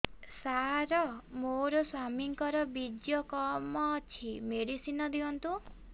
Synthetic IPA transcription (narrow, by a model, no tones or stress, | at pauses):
saɾɔmoɾɔswamiŋkɔɾɔbid͡ʒjɔkɔmɔt͡ʃʰimeɖisinɔd̪ʱiɔnt̪u